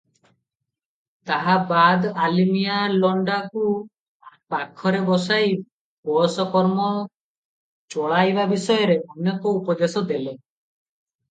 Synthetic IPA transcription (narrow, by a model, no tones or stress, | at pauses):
t̪aɦabad̪alimijalɔɳɖaku | pakʰɔɾebɔsaj | pɔsɔkɔɾmɔ | t͡ʃɔɭajbabisɔjɔɾeʔɔnjɔkɔupɔd̪esɔd̪ele